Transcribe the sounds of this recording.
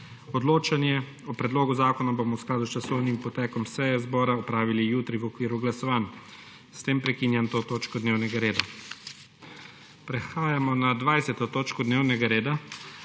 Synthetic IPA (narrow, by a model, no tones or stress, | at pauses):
ɔd̪loːt͡ʃanjɛ | ɔpɾɛd̪loːɡuzaːkɔnabomɔwsklad̪ust͡ʃasɔwnimpɔt̪ɛːkɔmsɛjɛzbɔːɾaɔpɾaːʋilijuːt̪ɾiʋɔkʋiːɾuɡlasɔʋaːn | st̪eːmpɾɛkiːnjant̪oːt̪oːt͡ʃkɔd̪neːwnɛɡaɾeːd̪a | pɾɛxaːjamɔnad̪ʋajsɛt̪ɔt̪oːt͡ʃkɔd̪neːwnɛɡaɾeːd̪a